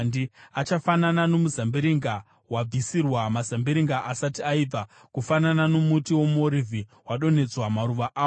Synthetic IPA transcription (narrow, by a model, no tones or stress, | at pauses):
ndiat͡ʃafananano̞muzambiɾiŋɡa | wab͡visirwamazambiɾiŋɡaʔasatiaiːbʱa | kufanananomutiwomoɾivʱiwaɗo̞ne̞t͡swamaɾuʋaʔaː